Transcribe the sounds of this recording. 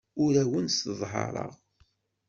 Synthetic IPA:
ʊɾæwənsðˤɦɑ̰ɾˤə̰ʁ

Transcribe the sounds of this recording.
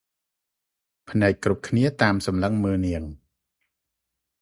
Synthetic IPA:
pʰnaɛk̚kːrup̚kʰniət̪aːmsɑmləŋməːlniəŋ

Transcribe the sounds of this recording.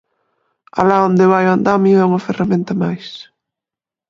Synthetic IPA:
a̰laond̪eβajand̪amiɛuŋɐferamẽnt̪ɐmajs

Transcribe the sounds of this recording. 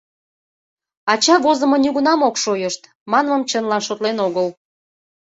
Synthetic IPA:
ɑt͡ɕɑβozə̆mŏnuɣunɑmokʃojəʃt̪ | mɑnməmt͡ɕənlɑnʃot̪lenoɣəl

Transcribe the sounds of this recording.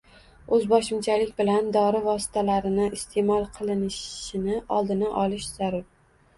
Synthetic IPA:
ɵzbɒʃɪmt͡ʃʰalɪkʲbɪland̪ɒɾɪvɒsɪ̥t̪ʰalaɾɪnɪʔɪst̪ʰe̞mɒlˠqʰɨlˠɪnɪʃɪnɪʔɒlˠd̪ɪnaʔɒlɪʃz̥aɾʊɾ

